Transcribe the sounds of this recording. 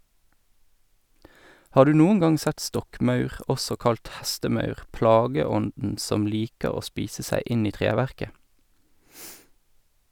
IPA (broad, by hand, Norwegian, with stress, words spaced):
ˈhɑː ˈdʉː ˈnuːəŋ ˈɡɑŋ ˈsɛt ˈstɔkˌmɑʉʁ ˈɔsɔ ˈkɑlt ˈhɛstəˌmɑʉʁ ˈplɑːɡəˌɔndn̩ ˈsɔm ˈliːkəʁ ˈoː ˈspiːsə ˈsæɪ ˈɪn ˈiː ˈtʁeːˌʋæʁkə